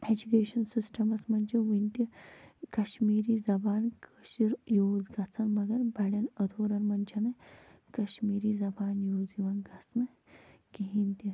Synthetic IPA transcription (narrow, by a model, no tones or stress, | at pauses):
ed͡ʑukeːɕɐnsisʈʰɐmɐsmɐnʲt͡ʃʰeʋint̪ikɐɕmiːɾiːd͡zɐbaːnkəɕiɾjoːd͡zɡʱat͡sʰɐnmɐɡɐɾbʱɐɽɐnɐd̪ʱoːɾɐnmɐnt͡ʃʰanɐ | kɐɕmiːɾiːd͡zɐbaːnjoːd͡ziʋanɡʱat͡snɐ | kiɦint̪i